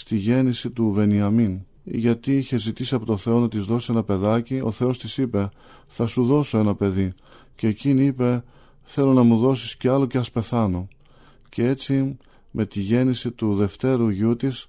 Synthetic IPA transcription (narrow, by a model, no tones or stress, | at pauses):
st̪iʝe̞nisit̪uve̞niɐmin̰ | ʝɐt̪iiçe̞zit̪isiɐpot̪oθe̞o̞nɐt̪izðo̞sie̞nɐpe̞ðɐcio̞̰θe̞o̞st̪isipe̞ | θɐsuðo̞so̞e̞nɐpe̞ði | ce̞ːciniipe̞ | θe̞lo̞nɐmuðo̞sisceɐlo̞ceɐspe̞θɐno̞ | ce̞e̞t͡si | mʔe̞t̪iʝe̞nisit̪uðe̞ft̪e̞ɾuʝut̪is